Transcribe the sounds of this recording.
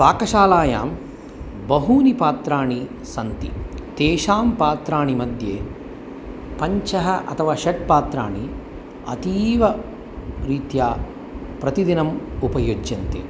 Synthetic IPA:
ʋaːkɐʃaːlaːja̰ːm | bɐɦuːnipaːt̪ɾaːɳi | sɐnt̪ḭt̪eːʃaːmpaːt̪ɾaːɳimɐd̪ʱjeː | pɐɲt͡ʃɐɦɐʔɐ̰t̪ʰɐʋaːʃɐʈ̚paːt̪ɾaːɳi | ɐ̰t̪iːʋɐ | ɾiːt̪jaː | pɾɐt̪id̪inɐmupɐjoːd͡ʒjɐnt̪ḛ

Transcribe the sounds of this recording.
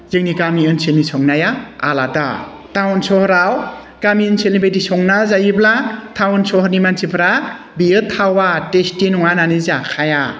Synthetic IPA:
zɯŋnikamiɯnselnisɔŋnajaa̰lada̰ | tʰawnsɔhɔɾaw | kamiɯnselnibejdisɔŋnazajɯblatʰawnsɔɦɔɾnimansʰipʰɾa | bijɯtʰːawatestinɔŋananɯzakʰaja

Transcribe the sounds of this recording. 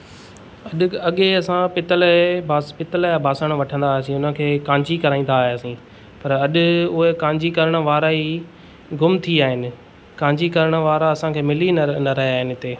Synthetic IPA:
ɐɗɐɠeɐsãpɪt̪əlbʱapɪt̪əlabʱaːsəɽ̃ʋɐʈʰə̃nd̪aːɦsĩʊnə̃kʰeːkãːɲd͡ʑikɐɾaːĩːn̆d̪aːɦeɐsĩː | pɐɾɐɗʊ̆ʊɦekãːɲd͡ʑikɐɾəɽ̃ə̆ʋaːɾai | ɡʊmt̪ʰiaːɦɪnɪ̆ | kãːɲd͡ʑikɐɾəɽ̃ə̆ʋaːɾaɐsãkʰeːmɪlinnɐɾɐɦaːɦɪnɪ̆ɪt̪eː

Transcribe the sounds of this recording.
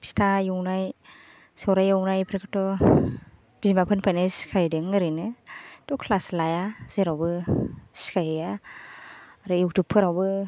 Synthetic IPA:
psi̥tʰajɔwnaj | sɔwɾajɔwnajpʰɾekʰɯtɔ | b̥izmapʰɯnpʰajnɯsi̥kʰajdɯŋɯɾɯjnɯtɔkʰlaslajaz̥eɾawbɯsi̥kʰajja | aɾɯjuk̚tʰupʰːɯɾawbɯ

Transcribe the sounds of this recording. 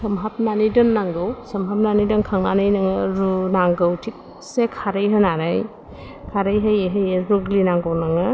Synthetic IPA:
sɐmɦap̚nanidɯnːaŋɡɯwsɐmɦap̚nanidɯnkʰaŋnanɯjnaŋɯɾunaŋɡɯwtʰik̚ | sekʰaɾɯjɦɯnaɾaj | kʰaɾɯjɦajeɦɯjeɾuɡlinaŋɡɯwnaŋɯ

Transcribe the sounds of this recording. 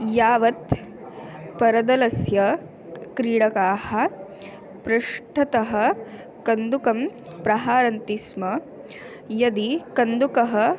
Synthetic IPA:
jaːʋɐt̪ | pɐɾɐd̪ɐlɐsjɐ | kɾiːɽɐkaːhɐ̆ | pɾɐʂʈʰɐt̪ɐɦɐ̆ | kɐnd̪ukɐm | pɾɐɦaːɾɐnt̪ismɐ | jɐd̪ikɐnd̪ukɐɦɐ̆

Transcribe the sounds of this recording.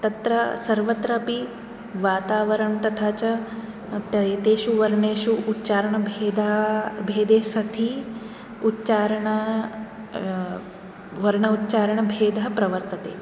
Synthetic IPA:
t̪ɐt̪ɾɐsɐɾʋɐt̪ɾɐpi | ʋaːt̪aːʋɐɾɐɳt̪ɐt̪ʰaːt͡ʃɐ | t̪ɐjt̪eːʃuʋɐɾɳeːʃuːtːt͡ʃaːɾɐɳɐbʱeːd̪abʱeːd̪eːsɐt̪ʰi | utːt͡ʃaːɾɐɳɐ | ʋɐɾɳɐut̪ːt͡ʃaːɾɐɳɐbʱeːd̪ɐɦɐpɾɐʋɐɾt̪ɐt̪eː

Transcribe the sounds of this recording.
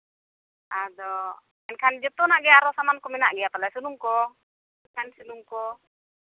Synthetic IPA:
ʔadɔ | ɛnkand͡ʒɔt̪ɔnaɡɛaɾɔsamankɔminaʔɡiat̪alasunuŋkɔ | ɛnkansunuŋkɔ

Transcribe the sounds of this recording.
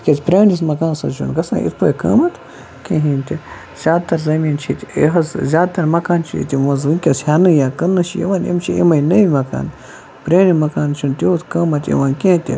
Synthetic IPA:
kʲet͡spɾeːnismɐkãːnsɐt͡ʃʰunɡɐsã̰ːʔḭt̪̚ʰpɐkɐ̰ːmɐt̪ʰ | kʲẽɦĩːnt̪ʲi | z̥ʲaːd̪̚t̪ɐɾzɐmiːnt͡ʃʰit̪ʲḛɦɐzzʲaːd̪̚t̪ɐɾmɐkaːnt͡ʃʰiḭt̪ʲiʋɐzʋɨnʲkʲɐshaːnɨjaːkɐnːɨt͡ʃʰijḛʋaːnḭmt͡ʃʰiʔḭmɐinɐjimɐka̰ːn | pɾeːnimɐkaːnt͡ʃʰunt̪ʲoot̪kɐːmɐt̪ʲḛʋaːnkʲẽt̪ʲḭ

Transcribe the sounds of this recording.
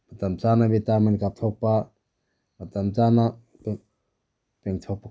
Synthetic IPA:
mat̪amt͡sanabetamankat̪ʰɔpa | mat̪amt͡sana | pɛ | pɛŋt̪ʰɔpa

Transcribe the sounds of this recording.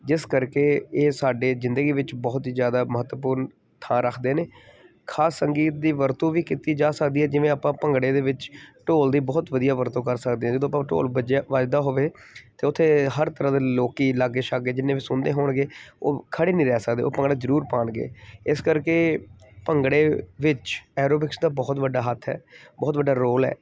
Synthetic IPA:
d͡ʒɪskəɾkeːeːsaːɖeːzɪnd̪əɡiːʋɪt͡ʃbɔːt̪ːzjaːd̪aːməɦət̪ːʋəpuːɾn | t̪ʰãːɾəkʰd̪eːneː | kʰaːsːəŋɡiːt̪̚d̪iːʋəɾt̪õːʋiːkit̪iːd͡ʒaːsəkd̪iːɦɛːd͡ʒɪʋẽːaːpãːpəŋɡɽeːd̪eːʋɪt͡ʃʈoːld̪iːbɔːt̪ʋəd̪ijaːʋəɾt̪õːkəɾsəkd̪eːɦɛ̃ːd͡ʒəd̪õːpãːʈo̰ːləd͡ʒaːʋad͡ʒd̪aːɦoːʋeː | t̪eːʊt̪ʰːeːɦəɾt̪əɾãːd̪eloːkiːlaːɡːeːʃaɡeːd͡ʒɪnːeːʋɪsʊnd̪eːɦoːɳɡeːo̰ːkʰəɽeːnĩːɾɛːsəkd̪ḛːo̰ːpə̃ŋɡɽaːzəɾuːɾpãːɳɡḛːɪskəɾkeːpəŋɡɽeːʋɪt͡ʃɛːɾoːbɪksd̪aːbɔːt̪ʋəɖːaːɦət̪ʰːɛ̰ːbɔːt̪ʋəɖːaːɾoːlɛ̰ː

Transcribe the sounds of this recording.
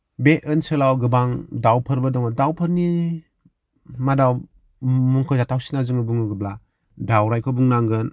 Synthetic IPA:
beɯnsɯlawɡɯbaŋdawpʰɯɾbadɔŋadawpʰɯɾni | madaw | muŋkʰɯzatʰawsi̥nazɯŋɯbuŋɯɡɯbla | dawɾajkʰɔbuŋnaŋɡɯn

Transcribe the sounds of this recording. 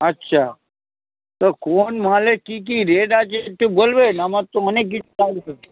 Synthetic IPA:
ətːʃʰa | t̪okonmalekik̬iɾeɖat͡ʃet̪ubolʋenamat̪ːoənekːit͡ʃaɾse

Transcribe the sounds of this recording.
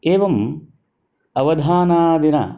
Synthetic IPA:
eːʋɐm | ɐʋɐd̪ʱaːnaːd̪ina̰

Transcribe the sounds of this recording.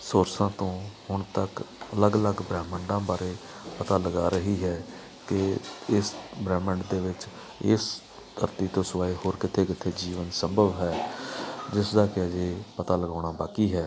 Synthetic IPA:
soːɾsãːt̪õːhʊɳt̪əkələɡələɡbɾɛːməɳɖãːbaːɾeː | pət̪aːləɡaːɾəɦiːɦɛː | kɪɪsbɾɛːməɳɖd̪eːʋɪt͡ʃ | ɪs | t̪ʰəɾt̪iːt̪õːsʋaːeɦoːɾkɪt̪ʰeːkɪt̪ʰeːd͡ʒiːʋənsəmbʱəʋɦɛː | d͡ʒɪsd̪aːkɪəd͡ʒeːpət̪aːləɡaːɽ̃aːbaːkiːɦɛː

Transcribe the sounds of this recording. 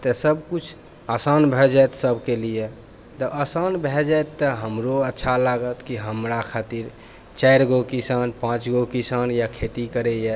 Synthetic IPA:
t̪əsəbkut͡ʃʰ | asanbʱɛd͡ʒajt̪səbkelie | t̪əʔasanbʱɛd͡ʒaet̪ːəɦəmɾoətːʃʰalaɡət̪kiɦəmɾakʰat̪iɾ | t͡ʃaɪɾɡokisanpãt͡ʃɡokisanjakʰet̪ikəɾɛje

